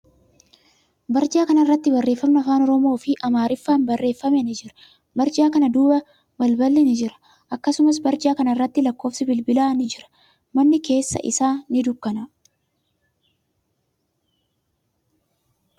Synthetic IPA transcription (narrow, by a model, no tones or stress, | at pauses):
bɐɾd͡ʒaːkɐnɐɪrːɐt̪ːɪbɐrːeːfːɐmnɐɐfaːnɔɾɔmo̞ːfɪʔɐmaːɾɪfːaːnbɐrːe̞ːfːɐmɛnɪd͡ʒɪɾɐ̥ | bɐɾd͡ʒaːkɐnɐd̪uːbɐ | bɐlbɐlːɛnɪd͡ʒɪɾɐ̥ | ʔɐkːɐsʊmɐs̬bɐɾd͡ʒaːkɐnɐɪrːɐt̪ːɪlɐkːo̞ːfsɪbɪlbɪlaːnɪd͡ʒɪɾɐ̥ | mɐnːɪke̞ːsːɐ̰ʔɪ̰saːnɪd̪ʊkːɐnɐ